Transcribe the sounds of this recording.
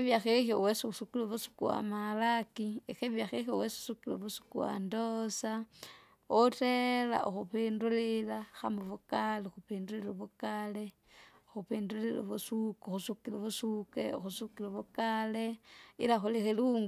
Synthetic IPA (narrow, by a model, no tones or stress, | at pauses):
eβjaxexjowesisukiloβusu̥kuwa̰malakiexeβjaxexjo̰wesu̥sukilo̰βusu̥kuwa̰ndosa | otela̰ʔṵxupindulilaxamuβukalexupiːnduliloβukale | oxupiːndulilo̰βusukxusukiloβusukḛṵxusukiloβukaleḭlaxolixeluŋɡ